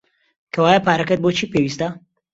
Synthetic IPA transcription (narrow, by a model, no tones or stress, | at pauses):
kʰɐwaːjɐpaːɾɐkɐt̪̚boːt͡ʃʰiːpeːwist̪ɐ